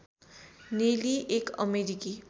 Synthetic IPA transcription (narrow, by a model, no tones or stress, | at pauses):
neliʔekʌ̰meɾiki